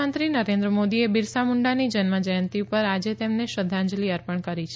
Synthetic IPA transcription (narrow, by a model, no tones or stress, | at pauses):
ənt̪ɾinəɾẽnd̪ɾəmod̪iebiɾsamuɳɖanid͡ʒənməd͡ʒəjənt̪iupəɾad͡ʒet̪emneʃəd̪ʱːãɲd͡ʒliəɾpəɳkəɾit͡ʃʰ